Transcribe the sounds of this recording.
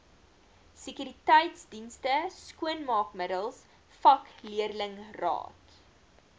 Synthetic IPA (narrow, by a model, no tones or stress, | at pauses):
sikyɾitɛjtsdinstəskuənmɑːkmədəlˠs | fɐkliərləŋrɑ̰ːt